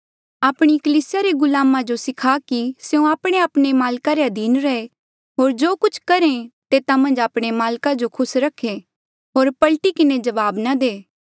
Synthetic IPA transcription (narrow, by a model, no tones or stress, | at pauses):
aːpɽ̃ikɐliːsɪjaɾeɡʊlaːmãd͡ʒosɪkʰakiseũaːpɽ̃eaːpɽ̃emaːlkaɾeɐd̪iːnɾɐe | ɦoːɾd͡ʒoːkʊt͡ʃʰkɐɾẽt̪eːt̪amɐ̃nd͡ʒaːpɽ̃emaːlkad͡ʒokʰʊsɾɐkʰːe | ɦoːɾpɐlʈikɪned͡ʒɐʋaːbnad̪eː